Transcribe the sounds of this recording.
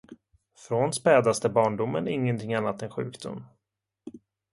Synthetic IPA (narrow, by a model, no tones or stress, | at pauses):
fɾɔnspɛːd̪ast̪əbɑːɳɖʊmːə̰nɪŋːənt̪ʰɪŋanːat̪ɛnɧʉ̟̰ːkd̪̥ʊ̰mː